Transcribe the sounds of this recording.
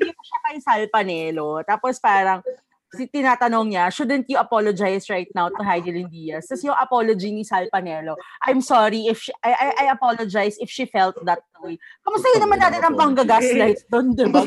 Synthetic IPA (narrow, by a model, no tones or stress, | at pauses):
d̪iːtɐʃɐkɐjsalpɐnɛːlot̪aːpospaːɾɐŋ | sit̪ɪnaːt̪ɐnoŋɲɐʃʊd̪ɛnt̪jʊʔɐpolod͡ʒajsɹajt̪̚nawt̪ʊɦajd̪ɪlɪnd̪iːjɐst̪ɐsɛjʊŋɐpolod͡ʒinisɐlpɐnɛːlo̞ʔajmsoɾiɪfʃiɐʔajʔajʔɐpolod͡ʒajsɪfʃifɛlt̪̚ðɐt̪̚d̪wjkɐmʊst̪ɐjʊnɐmanːaːt̪ɪnɐŋpɐŋɡɐɡaslajt̪̚d̪ond̪ɪba